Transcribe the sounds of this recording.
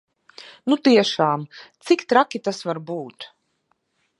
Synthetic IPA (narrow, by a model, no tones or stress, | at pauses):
nut̪iɛʃaːmt̪sikt̪ɾakʲit̪asvaɾbuːt̪